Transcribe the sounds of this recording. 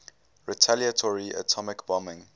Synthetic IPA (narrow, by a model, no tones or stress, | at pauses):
ɹitʰaliətʰɔɹiʔə̰tʰɔmɪkbɔmɪ̃ŋ